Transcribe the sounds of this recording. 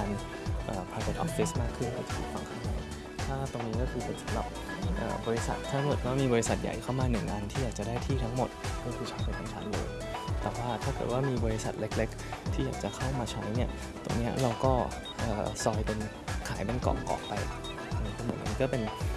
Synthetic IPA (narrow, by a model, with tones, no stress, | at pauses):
aː˧n | ʔɤː˨˩pʰaː˧ko˨˩t̪̚ʔɔ̰˦˥p̚fi˦˥smaː˥˩kʰːɯ˥˩nkɔ˧˥˩t͡ɕpʰḭ˨˩fwa˧˩ŋkʰa˥˩ŋma̰˨˩˦j | t̪ʰaː˥˩t̪o˧ŋniː˦˥kɔ˥˩kʰɯː˧pe˨˩sa˨˦mɾa˨˩p̚ | ʔɤ̰ː˨˩bɔː˧i˦˥sa̰˨˩t̪ʰːa˦˥ŋmo˨˩t̪̚wa˦˥˩miː˧bɔː˧ɾi˦˥sa˨˩t̪̚ja̰˨˩jkʰa˥˩wmaː˧nɯ˨˩ŋʔa˧nt̪ʰiː˥˩jaː˨˩k̚t͡ɕa˨˩daː˥˩jt̪ʰiː˥˩t̪ʰa˦˥ŋmo˨˩t̪̚kʰɔː˥˩kʰɯː˧t͡ɕʰɔː˦˥pa˧jkʰɔː˨˩˦ŋt͡ɕʰa̰˦˥nlɤ̰ː˧j | t̪ɛː˨˩waː˥˩t̪ʰaː˥˩kɤ̰ː˨˩t̪̚waː˥˩miː˧bɔː˧ɾi˦˥sa˨˩t̪̚le˦˥k̚le˦˥k̚t̪ʰiː˥˩jaː˨˩k̚t͡ɕa˨˩kʰa˥˩wmaː˧t͡ɕʰa˦˥jni˥˩ɐ | t̪o̰˧ŋni˦˥ɐɾa˧wkɔː˥˩ | ʔɤː˨˩sɔː˧jpe˧n | kʰa̰ː˩˦jpe˧nkɔ̰ː˨˦ŋkɔ̰ː˨˩k̚pa˧jʰ | a˧˩n˧˩pːm̰ː˨˩˦nʔniː˦˥kɔ˥˩pe˧n